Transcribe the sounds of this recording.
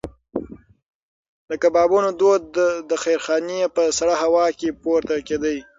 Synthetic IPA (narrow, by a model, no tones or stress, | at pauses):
d̪əkabɑbunod̪od̪̚d̪əxajɾxɑneepəsaɽaɦawɑkepoɾt̪aked̪əj